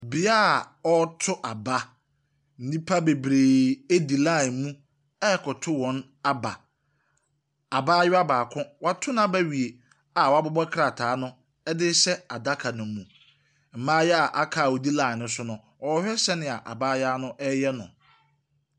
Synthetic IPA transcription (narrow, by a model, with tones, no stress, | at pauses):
bi˨a˦˨ | ɔ˦tʰʊ˦ʔa˨ba˦ | n̩˦nĩ˦pʰa˦be˨bɾe˨e˦di˨lã˦˨mũ˦ | ɛ˦˨kʰɔ˨tʰʊ˦wɔ̃˨˦n | a˦ba̰˨ | a˨baː˦jɪ˦a˦baː˨kʰʊ̃˦wa˨tʰʊ˦nã˦bæ˦ɥi˨e˨ | a˨wɔ˨a˦bʊ˦bɔ˦kʰɾa˨tʰaː˨˦nʊ̃˦ | ɛ˦dɪ˦sɛ˦a˨da˦kʰa˨nʊ̃˨mũ˨ | m̩˨mãː˦jɛ˦a˨ʔa˦kʰa˨wo˨di˦lã˦˨nʊ̃˦sʊ˦nʊ̃˨ | ɔ˨˦hᶣɛ˦sɛ˦nɪ̃˨a˨ʔa̰˨baː˦jaː˦nʊ̃˦ʔɛ˦jɛ˦nʊ̰̃˨